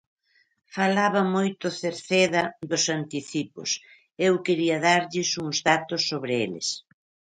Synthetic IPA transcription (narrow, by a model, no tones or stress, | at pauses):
falaβɐmojt̪ʊθeɾθeðɐðʊsant̪iθipʊ̰s | ewkeɾiɐðaɾʎɪsuŋzðat̪ʊsːoβɾɪelɪ̰s